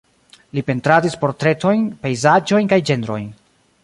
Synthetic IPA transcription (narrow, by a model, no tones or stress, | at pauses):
lipe̞ntɾadispo̞ɾtɾe̞to̞jnpe̞jzad͡ʒo̞jnkajd͡ʒe̞nɾo̞̰jn